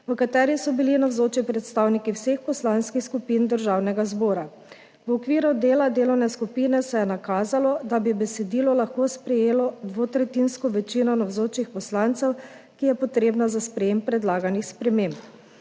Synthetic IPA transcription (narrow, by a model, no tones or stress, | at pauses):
ʋəkat̪ɛːɾisɔbilinawzoːt͡ʃipɾɛt̪st̪awnikiwsexpɔslanskixskupind̪əɾʒaːwnɛɡazboːɾa | wɔkʋiːɾud̪eːlad̪eːlɔwnɛskupiːnɛsɛjɛnakaːzalɔd̪abibɛsɛd̪iːlɔlaxkospɾɛjeːlɔd̪ʋoːt̪ɾɛt̪inskɔʋɛt͡ʃinɔnawzoːt͡ʃixpɔslant̪sɛw | kijɛpɔt̪ɾeːbnazaspɾɛjeːmpːɾɛd̪laːɡanixspɾɛmemp